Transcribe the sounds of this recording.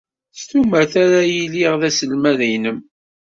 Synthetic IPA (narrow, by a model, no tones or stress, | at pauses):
st̪uməɾθaɾajiliʁðæsəlmæðijnəm